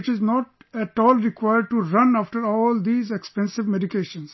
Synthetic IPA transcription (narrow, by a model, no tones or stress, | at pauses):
ɪt͡ʃɪznɔːʈɛʈɔːlɾɪkwaɪəɾɖ̚ʈuɾʌ̃naːfʈəɾɔːld̪iːzekspɛ̃nsɪʋmeɖɪkeːʃə̃nz̥